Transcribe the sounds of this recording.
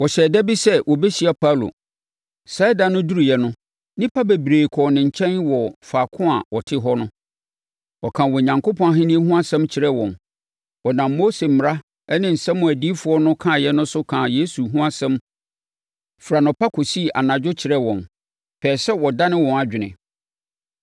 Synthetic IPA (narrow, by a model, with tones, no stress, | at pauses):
wɔ˨ɕɛː˨dɛ˦bi˦sɛ˦wʔɔ˨bɛ˦ɕi˨˦a˨pʰa˦˨lo̰˨ | sa˦da˨nʊ̃˦du˦ɾu˨jɛ˦nʊ̃˦ | nɪ̃˦pʰa˦be˨bɾeː˨kʰɔ˨nɪ̃˨ɲ̩˨t͡ɕʰɛ̃˦nwɔ˨faː˨kʰʊ̃˦a˨wɔ˨tʰɪ˦ɦɔ˦nʊ̃˦ | wɔ˨kʰã˨wɔ˨ɲã˨ŋkʰo˦pʰɔ̃˦ɦɪ̃˦nĩ˦e˦ɦũ˦a˦sɛ̃˦mt͡ɕʰɪ˨ɾɛ˦wɔ̰̃˨m | wɔ˨nã˨mːo˦se˨mɪ˨ɾa˦ | ɛ˦nɪ̃˨n̩˨sɛ̃˦mʊ̃˨æ˨di˦fʊ˨˦ɔ˦nʊ̃˦kʰã˦˨jɛ˦nʊ̃˦sʊ˦kʰã˨je˦su˨ɦũ˦a˦sɛ̃˦m | fɾa˨nʊ̃˨pa˦kʰo˨si˦˨ʔa̰˨nã˨d͡ʑᶣʊ˦t͡ɕʰɪ˨ɾɛ˦wɔ̃˨m | pʰɛː˨sɛ˦wɔ˨da˦nɪ̃˦wɔ̃˨na˨d͡ʑᶣɪ˨nɪ̰̃˨